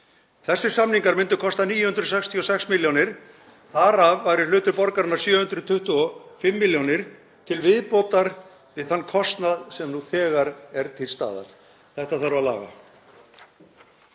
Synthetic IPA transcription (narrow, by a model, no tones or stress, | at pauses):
θɛsːʏ̥samniŋkaɾmɪnt̪ʏ̥kʰɔst̪aniːjʏhʏnt̪ɾʏsɛkst̪ʰiɔsɛksmɪljonɪɾ̥ | θaɾavːajɾɪ̥lʏːt̪ʏɾpɔɾkaɾɪnaɾ̥sjœːhʏnt̪ɾʏt̪ʰʏht̪uɔfɪmːɪljonɪɾ̥ | t̪ʰɪlvɪðpɔt̪aɾ | vɪðθanːkʰɔst̪naðsɛmnuθɛːɣaɾɛɾt̪ʰɪlst̪a̰ːða̰n | θɛht̪aðθaɾʏaðla̰ːɣa̰